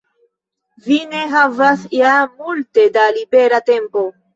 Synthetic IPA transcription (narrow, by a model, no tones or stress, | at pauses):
vine̞ɦavasjamulte̞dalibe̞ɾate̞mpo